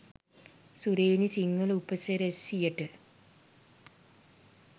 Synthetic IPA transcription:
suɾeːnisiŋːɐɭupːɐseɾesijɐʈːɨ

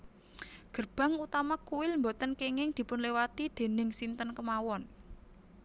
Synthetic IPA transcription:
ɡ̥ə̤rb̥ä̤ŋut̪amakuwɪlmbot̪ənkeŋɪŋd̪̥i̤pʊnlewat̪id̪̥e̤nɪŋsint̪ənkəmawɔn

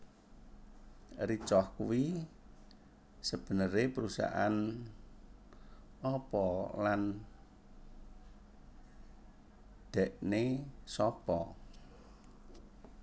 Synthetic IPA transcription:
rit͡ʃɔhkuwi | səb̥ə̤nəɾepəɾusa̰ʔa̰n | ɔpɔlan | ɖ̪̥ɛ̤ʔnesɔpɔ

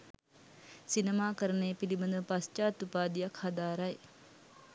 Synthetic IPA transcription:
sinəmaːkəɾənejəpilibənd̪əpast͡ʃaːt̪upaːd̪ijakhad̪aːɾaj

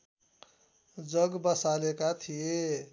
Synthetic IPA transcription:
d͡zʌɡbəsalekat̪ʰije

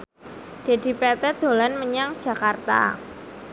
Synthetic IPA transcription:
d̥e̤di̤pɛt̪ɛd̪̥o̤lanməɲaŋ̥ʒ̥ä̤kart̪a̰

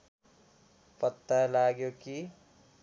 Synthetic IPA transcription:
pʌt̪ːalaɡjoki

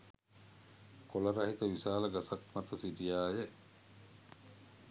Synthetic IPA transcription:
kolɐɾɐɦit̪ɐʋisaːlɐɡɐsɐkmɐt̪ɐsidijaːjeʔ

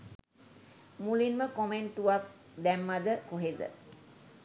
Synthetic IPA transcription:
mulinməkomeɳʈuʋak̚ | d̪ɛmːad̪əkoɦed̪ə̰

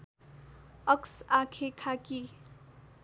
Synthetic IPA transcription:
ʌksakʰekʰaki

